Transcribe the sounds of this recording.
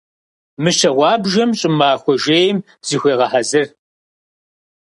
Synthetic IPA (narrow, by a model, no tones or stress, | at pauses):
mɨʃɐʁʷɑːbʒɐmɕʼɪmaːxʷɔʒeːjm | z̥iːxʷeːʁɐħazɨr